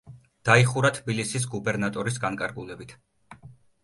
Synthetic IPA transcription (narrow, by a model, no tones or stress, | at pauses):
d̪̥aiχuɾat̪ʰbilisis̬ɡubɛɾnat̪ʼɔɾis̬ɡankʼaɾɡulɛbit̪ʰ